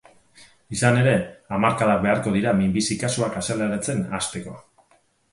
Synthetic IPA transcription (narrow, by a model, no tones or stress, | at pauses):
isane̞ɾe̞amaɾkaðak̚be̞aɾko̞ð̞iɾamimbisikasuakaselaɾet͡se̞nast̪e̞ko̞